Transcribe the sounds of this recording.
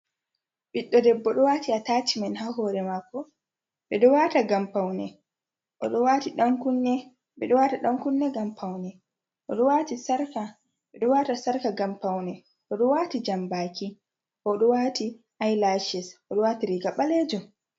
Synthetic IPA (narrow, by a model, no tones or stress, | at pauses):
ɓiɗːɔdɛbːɔɗɔwatiatat͡ʃimanhahɔːɾɛmakːɔ | ɓɛɗɔwaːtaɡampawnɛ | ʔɔɗɔwatiɗaŋkunːɛ | ɓɛɗɔwataɗaŋkunːɛɡampʰawnɛ | ʔɔɗɔwaːtisaɾka | ɓɛɗɔwatasaɾkaɡampawnɛ | ʔɔɗɔwaːtid͡ʒambaːkʰi | kɔɗɔwaːti | ʔajlaʃɛsʔɔɗɔwaːtiɾiːɡaɓalɛːd͡ʒɔ